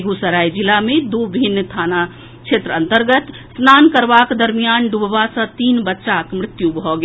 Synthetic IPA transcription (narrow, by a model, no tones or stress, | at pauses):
ɡusəɾaːid͡ʒɪlamẽd̪oːbʱɪnːət̪ʰaːna | kʃʰeːt̪ɾəə̃nt̪əɾɡət̪ | snaːnkəɾʋaːkd̪əɾmijaːnɖubʋasə̃t̪iːnbətːʃakmɾɪt̪jubɔɡ